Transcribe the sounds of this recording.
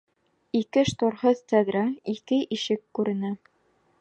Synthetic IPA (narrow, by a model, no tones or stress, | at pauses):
ikɘʃt̪oɾhɤðt̪æd̪ɾɑikɘʔiʃɘkːʉɾɘ̆næ